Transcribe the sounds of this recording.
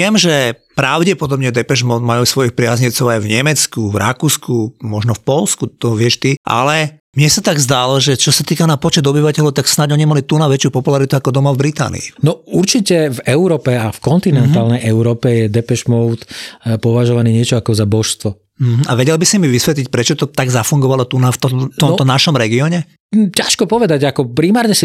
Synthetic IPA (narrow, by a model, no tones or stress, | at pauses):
ɪɛmʒɛpɾaʊɟɛpɔd̪ɔbɲɛd̪ɛpɛʒmɔʊd̪majuːsʋɔjixpɾɪazɲɛt͡sɔʊajvɲɛmɛt͡skuvɾa̰kuːskumɔʒnɔfpɔlskut̪ɔʋɪɛʃt̪iʔa̰lɛ | mɲɛsat̪aɡzd̪alɔʒɛt͡ʃɔsat̪iːkanapɔt͡ʃɛd̪ɔbiʋacɛʎɔʊt̪aksnaɟɔɲimalit̪unaʋɛt͡ʃɪupɔpulaɾit̪uakɔd̪ɔmavbɾit̪a̰ːnḭḭnɔuɾt͡ʃicɛvɛʊɾɔːpɛafkɔnt̪inɛnt̪aːlnɛjɛʊɾɔːpɛjɛd̪ɛpɛʃmɔʊt̪pɔʋaʒɔʋaniːɲɪɛt͡ʃɔakɔzabɔʃst̪ʋɔ | m̩ɦ̩ʔa̰ʋɛɟɛlbisimiʋisʋɛt̪lic̚pɾɛt͡ʃɔt̪ɔt̪aɡzafuŋɡɔʋalɔt̪unaft̪ɔt̪ɔmt̪ɔnaʃɔmɾɛɡiɔɲɛ | caʃkɔpɔʋɛd̪aɟakɔpɾimaːɾɲɛsi